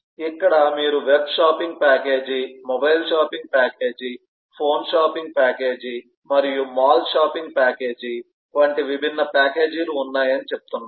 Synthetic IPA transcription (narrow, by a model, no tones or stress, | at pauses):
ikːɐɽɐmiːɾuʋe̞bʃaːpiŋɡ̚pʲaːke̞ːd͡ʒimɔbɐjlʃaːpiŋɡ̚paːke̞ːd͡ʒi | pʰo̞ːnʃaːpiŋɡ̚paːke̞ːd͡ʒi | mɐɾijumaːlʃaːpiŋɡ̚paːke̞ːd͡ʒi | ʋɐɳʈiʋibʱinːɐpaːke̞ːd͡ʒiluːnːaːjɐnit͡ʃep̚u̥t̪unːa